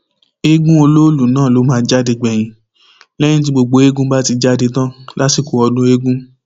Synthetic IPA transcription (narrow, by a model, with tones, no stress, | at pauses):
e˦ɡũ˦o˧lo˦lũ˨nãː˦˨lo˨˦mãː˨˧˦d͡ʒa˦de˧ɡ͡bɛ˨j̃ĩ˨ | lɛ˦j̃ĩ˦t̬i˧ɡ͡bo˨ɡ͡bo˨˦e˦ɡũ˦ba˦ti˧d͡ʒa˦di˧tã˦la˦si˦˨ko˨ɔ˧dũ˦e˦ɡũ˦